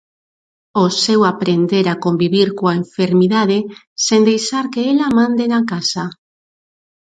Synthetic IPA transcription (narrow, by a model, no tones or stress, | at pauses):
osewapɾend̪eɾakombiβiɾkoaeɱfeɾmiðaðe | send̪ejʃaɾkeelamãnd̪enakasa